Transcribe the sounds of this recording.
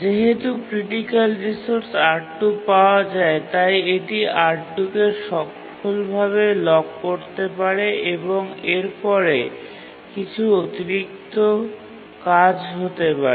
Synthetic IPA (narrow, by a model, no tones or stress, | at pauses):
d͡ʑeɦet̪upɾiʈikalɾisoɾsaɾʈupaoad͡ʑaet̪ajeʈiʔaɾʈːukeʃɔk | olbʱaβelɔɡ̚koɾt̪epaɾeʔeboŋeɾpɔɾe | kit͡ɕʰuot̪iɾik̚t̪o | kad͡ʑɦot̪epaɾ